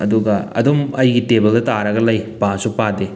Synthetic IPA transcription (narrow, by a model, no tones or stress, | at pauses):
ɐduɡɐɐ̰domɐjɡitebɐldɐtaɾɐɡɐlɐjpasupade